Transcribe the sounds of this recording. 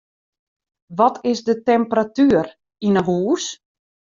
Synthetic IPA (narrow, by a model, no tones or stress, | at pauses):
ʋɔtʰɪsdətɛmpratyər | inəɦuːs